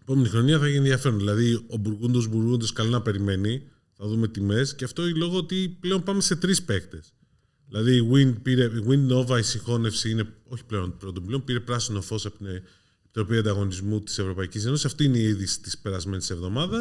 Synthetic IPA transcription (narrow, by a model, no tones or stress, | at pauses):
pomnt̪ixɾoniɐθɐiçenðiɐfe̞ɾonðilɐðiobuɾɣund̪o̞zbuɾɣund̪o̞skɐlinɐpe̞ɾime̞ni | θɐðume̞t̪ime̞sceɐft̪o̞nlo̞ɣoot̪iple̞o̞npɐme̞se̞t̪ɾispe̞kt̪e̞s | ðilɐðiːɣwind̪piɾe̞iɣwind̪no̞vɐisixo̞ne̞fsiine̞o̞çi̥ple̞o̞npɾo̞t̪o̞pleonpiɾe̞pɾɐsino̞fo̞sɐ | pi̥t̪ɾo̞piɐnd̪ɐɣo̞nizmut̪i̥se̞vɾo̞pɐicis̬e̞nosisɐft̪iːineiiðisi̥t̪i̥spe̞ɾɐzme̞nise̞vðo̞mɐðɐs